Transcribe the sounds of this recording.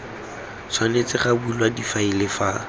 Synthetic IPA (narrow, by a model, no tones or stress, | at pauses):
sʰwanet͡sɪχabuilwadifailɪfa